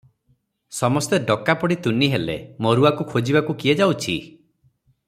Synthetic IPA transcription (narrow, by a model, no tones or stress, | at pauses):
sɔmɔst̪eɖɔkapɔɽit̪uniɦelḛmoɾuakukʰod͡ʒibakukied͡ʒawt͡ʃʰḭ